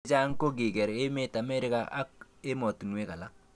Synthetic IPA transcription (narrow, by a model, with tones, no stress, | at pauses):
d͡ʒa˦ŋko˦ɡɪ˨ɡɛ˨ɾe˦me˦ta˨mɛ˦ɾɪ˦ka̰˦a̰˦e˦mo˨tnwe˦ka˨la˦